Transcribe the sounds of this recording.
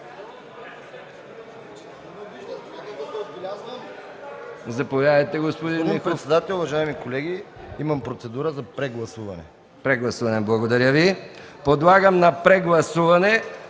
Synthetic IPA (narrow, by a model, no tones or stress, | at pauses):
od̪bɛlʲaz | zɐpovjad̪ɐjt̪ɛɡospod̪inixɾt̪sɛd̪at̪ɛlʲʊvɐʒaimikolɛɡi | imɐmpɾot̪sɛd̪uɾəzɐpɾɛɡlˠɐsuvɐ̰nɛ̰ | pɾɛɡlˠɐsuvɐnɛblˠɐɡod̪ɐɾʲjəvi | pod̪lˠaɡəmnɐpɾɛɡlˠɐsuvɐnɛ